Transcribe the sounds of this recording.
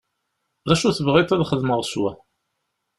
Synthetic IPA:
ðæʃuθəvʁit̪ˤæðχəðməʁswæ

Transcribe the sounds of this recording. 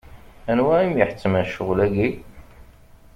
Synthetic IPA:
ænwæimjəħə̥t͡sːəmæʃəʁlæɡi

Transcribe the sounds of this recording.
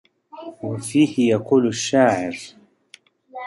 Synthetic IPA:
wafiːhɪjaquːlaʃːaːʕɪɾ

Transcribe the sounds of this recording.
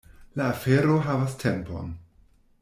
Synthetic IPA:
laːfeɾo̞ɦavastʰempo̰n

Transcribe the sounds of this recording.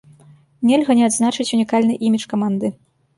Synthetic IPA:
nʲɛlʲɣɐnʲɛad̪znat͡ʂɨt͡sʲunʲikalʲnɨʔimʲit͡ʂkamand̪ɨ

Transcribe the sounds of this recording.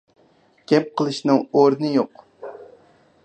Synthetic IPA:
ɡ̥ʲɛp̚qʰəlˠɨʃnɨŋoɾnɨjoq

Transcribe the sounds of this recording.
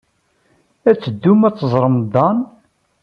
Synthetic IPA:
æt͡sːəd̪ːumæt͡sːzˤɾˤəmd̪ˤɑn

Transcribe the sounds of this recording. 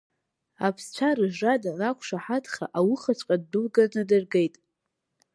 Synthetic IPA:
apʰst͡ɕʷʰaɾɨʒadanakʷʰʂaħatʰʼχa̰ʔawʊχat͡ɕʷʼqʼadːulɡaznɨdɨrɡejtʼ

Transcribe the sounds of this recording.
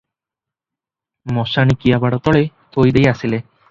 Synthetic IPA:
mɔʃañikijabaɽɔt̪ɔɭet̪ʰojd̪ejasile

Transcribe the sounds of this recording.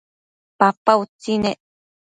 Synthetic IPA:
papaut͡sineʔ

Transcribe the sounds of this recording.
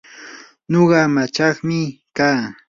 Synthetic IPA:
ɲoɢɑmat͡ʃɑχmɪkaː

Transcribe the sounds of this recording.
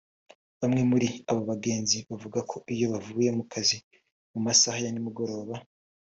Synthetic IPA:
βamŋe̞muɾiaβoβaɡe̞ːnziβavuɡakʰo̞ʔijo̞βavuje̞mukʰazi | mumasahajanimuɡo̞ɾo̞ːβa

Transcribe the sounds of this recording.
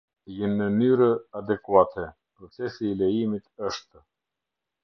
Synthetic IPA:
jɛnːənyɾəad̪ɛkuat̪ʰɛ | pɾɔt͡sɛsiːlɛjimit̪əʃt̪ə

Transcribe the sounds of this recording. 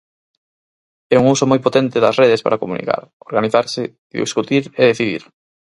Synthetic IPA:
ɛuŋusomojpot̪ɛnt̪ɪðɐsreðespa̰ɾakomunḭka̰ɾoɾɣaniθaɾsɪ | ðḭskut̪iɾeðeθiðḭɾ

